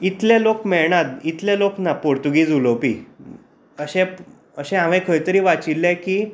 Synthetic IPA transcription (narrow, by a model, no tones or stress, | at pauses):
it̪lẽlokmɛɭɳad̪it̪lɛloknapoɾt̪uɡiːd͡zulopḭ | əɕɛ̃ | əɕɛ̃ɦãʋẽkʰəjt̪əɾiːʋat͡silːɛ̃ki